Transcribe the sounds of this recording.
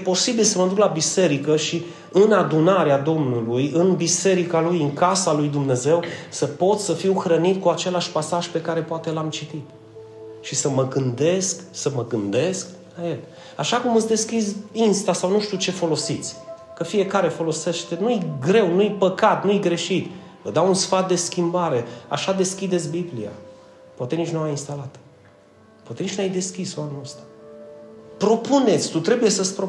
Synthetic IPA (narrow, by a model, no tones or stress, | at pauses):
jepo̞sibilsəməd̪uklabise̞ɾikəʃi | ɨnad̪unaɾead̪o̞mnulujɨnbise̞ɾikalujɨŋkasalujd̪umne̞ze̞wsəpo̞t̪ssəfiwxɾənit̪̚kuat͡ʃe̞laʃpasaʒpe̞kaɾe̞poat̪e̞lamt͡ʃit̪it̪ | ʃisəməɡɨnd̪e̞sksəməɡɨnd̪e̞sk | laje̞l | aʃakumɨt̪sʲd̪e̞skizinst̪asawnuʃt̪iut͡ʃe̞fo̞lo̞sit̪sʲ | kəfije̞kaɾe̞fo̞lo̞se̞ʃt̪e̞nujɡɾe̞wnujpəkat̪nujɡɾe̞ʃit̪vəd̪awunsfat̪̚d̪e̞skʲimbaɾe̞a̰ʃad̪e̞skʲid̪e̞t̪sʲbiblia̰ | pwat̪e̞nit͡ʃʲnuajinst̪alat̪ | powat̪e̞nit͡ʃnajd̪e̞skʲisoamenost̪ḁ | pɾo̞pune̞t̪sʲt̪ut̪ɾe̞buje̞səspɾo